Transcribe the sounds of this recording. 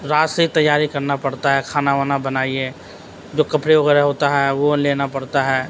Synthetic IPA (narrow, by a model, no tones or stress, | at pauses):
ɾaːsit̪ɐjːaːɾikɐɾnapɐɽt̪aɦɛkʰaːnaʋaːnabɐnaːie | d͡ʒoːkɐpɽeʋɐɣɛːɾɛɦoːt̪aɦɛʋoleːnapɐɽt̪aɦɛː